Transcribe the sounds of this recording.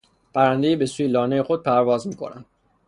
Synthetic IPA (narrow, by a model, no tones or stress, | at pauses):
pʰæɾænd̪e̞jiːbe̞suːjelɒːnejexod̪̚pʰæɾvɒːzmiːkʰo̞̰næ̰md̪̥